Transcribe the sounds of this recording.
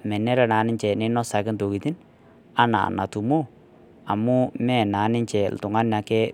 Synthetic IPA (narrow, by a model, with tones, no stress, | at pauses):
mɛ˨nɛ˦ɾɛ˨na˨˦nɪ˦ɲt͡ʃɛ˨nɪ˦nɔ˦sa˨kɪ˦nto˨ki˨t̪i˦n | a˦na̰˨na̰˨tu˨mo˦ | a̰˨mʊ˦mɛ˦˨na˨˦nɪ˦ɲt͡ʃɛ˨ltʊ˨ŋa˦na˨kɛ˦